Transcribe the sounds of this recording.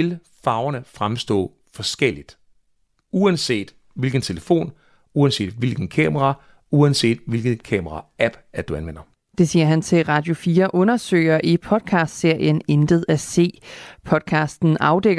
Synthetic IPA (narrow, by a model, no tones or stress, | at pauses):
el | fɑ̈ʊɐnəfʁamsd̥ɔ̰̽ː | fɒsɡ̥el̰id̥ | uænse̝̰ːd̥ | ʋe̝lɡ̥n̩t͡sʰe̝ləfo̝̰ːn | uænse̝̰ːd̥ʋe̝lɡ̥n̩kʰɛ̰ːmɐʁɑ̈ | uænse̝̰ːd̥ʋe̝lɡ̥əkʰɛːmɐʁɑæb̥æɐd̥uænʋen̰ɐ | d̥e̝siːɐɦænt͡sʰe̝lʁɑ̈ːd̥jo̝fiːɐʔɔ̽nɐsø̰ɪɐʔipʰɒ̽d̥kʰɑ̈ːsd̥se̝ɐ̰jənend̥əð̞̩ˠæse̝̰ːpʰɒ̽d̥̚kʰɑ̈ːsd̥n̩ʔɑ̈ʊd̥eɡ̥